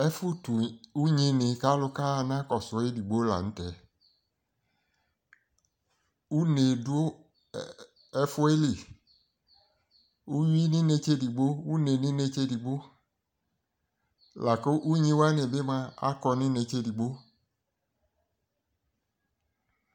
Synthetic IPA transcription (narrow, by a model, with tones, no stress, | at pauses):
ɛ˦fʊ˦tu˨u˦ɲĩ˦nɪ̃˨ka˦lʊ˦ka˦˨nã˦kɔ˨sʊ˨˦e˦di˨ɡ͡bo˦la̰˨ñ̩˦tɛ˨ | u˦ne˨dʊ˦o˦ | ɛ˦fʊ˦e˦li˨ | u˦ji˦nĩ˦ne˨t͡ʃe˦di˨ɡ͡bo˦wu˦ne˨nĩ˦ne˦t͡ʃe˦di˨ɡ͡bo˦ | la˨ko˦ʔu˦ɲĩ˦wa˦nẽ˨be˦mã˦a̰˦kɔ˨nɪ̃˦ne˨t͡ʃe˦di˨ɡ͡bo˦